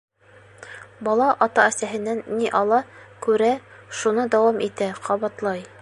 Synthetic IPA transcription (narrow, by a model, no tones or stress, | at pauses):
bɑlˠɑʔɑt̪ɑæsæɦɘ̆nːænːiʔɑlˠɑkʉɾæʃunɤd̪æwɑmʔit̪æqʰɑβɑt̪lˠɑj